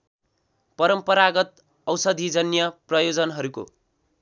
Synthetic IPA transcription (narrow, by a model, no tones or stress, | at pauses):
pʌɾʌmpʌɾaɡʌt̪̚ | ʌwsʌd̪ʱid͡zʌnjʌprʌjod͡zʌnɦʌɾuko̰